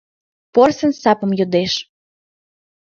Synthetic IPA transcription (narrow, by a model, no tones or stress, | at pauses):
porsənsɑpə̆mjod̪eʃ